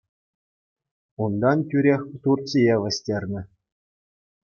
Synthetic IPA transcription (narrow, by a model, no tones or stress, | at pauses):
und̪ɑntʲyɾʲexʲt̪ursʲijeʋɘ̆sʲtʲerʲnʲɘ̆